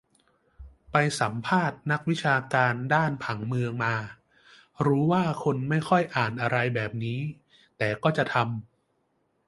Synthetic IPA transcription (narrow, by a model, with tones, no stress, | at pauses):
pa˧jsa˩˦mpʰaː˥˩t̪̚na˦˥k̚wi˦˥t͡ɕʰaː˧kaː˧ndaː˥˩npʰa˩˦ŋmɯ˧əŋmaː˧ | ɾuː˦˥waː˥˩kʰo˧nma˥˩jkʰɔ˥˩jʔaː˨˩nʔa˧ɾa˧jbɛː˨˩p̚niː˦˥ | t̪ɛː˨˩kɔː˥˩t͡ɕa˨˩t̪ʰa˧m